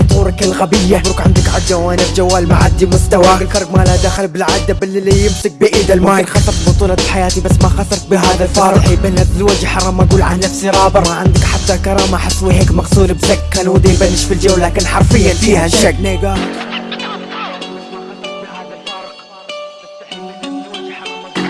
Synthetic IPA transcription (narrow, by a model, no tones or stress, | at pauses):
bt̪ˤuːɾɑkɪlɣabɪjːaɾkʕɪ̰nd̪ɪkʕad͡ʒawaːnɪbd͡ʒawːaːlmaʕad̪ːimʊst̪awaɪlfɑɾˤɡmaːlad̪aːxɪlbɪlʕaːd̪ːabɪlːɪlijɪmsɪk̚bʔiːd̪almaːɾxɑsˤɾˤt̪bʊt̪ˤuːlɑlħajaːt̪ibasːmaxɑsɑɾˤt̪bɦaːðalfɑːɾˤʔbɪnːat̪ɪzwad͡ʒħɑɾˤɑmaɡuːlʕannːafsiɾˤɑːbɪmaʕɪnd̪ɪkħat̪ːakɑɾˤɑːmaħɪsˤːwiɦeːkmɑqsˤuːlbzakːanwɪd̪ajbanːɪʃfild͡ʒawːlːaːkɪnħɑɾˤfɪjːanfiːhaʃakneːɡaː | maɑbhaːðalfɑɾˤ